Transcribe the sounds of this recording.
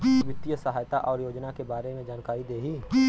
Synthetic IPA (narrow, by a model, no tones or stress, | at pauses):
ʋɪt̪ːijəsəɦaːjt̪aʔɔːɾjoːd͡ʒnakebaːɾemẽd͡ʒaːnkaːɾid̪eːɦiː